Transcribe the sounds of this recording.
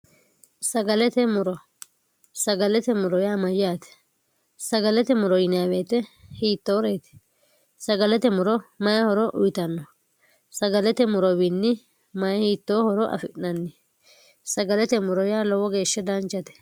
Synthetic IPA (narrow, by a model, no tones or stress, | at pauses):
sɐɡɐlɛt̪ɛmʊɾɔ | sɐɡɐlɛt̪ɛmʊɾɔjaːmɐjjaːt̪ɛ̥ | sɐɡɐlɛt̪ɛmʊɾɔjɪnjaːbeːt̪ɛhiːt̪ːoɾeːt̪ɛ̥ | sɐɡɐlɛt̪ɛmʊɾɔmɐjɐhɔɾɔʔʊ̰jɪt̪ɐnːɔ | sɐɡɐlɛt̪ɛmʊɾɔbɪnːɪ | mɐjhiːt̪ːoːhɔɾɔʔɐ̰fɪʔnɐnːɪ | sɐɡɐlɛt̪ɛmʊɾɔjaːlɔwɔɡe̞ːʃːɛd̪ɐnt͡ʃːɐt̪ɛ̥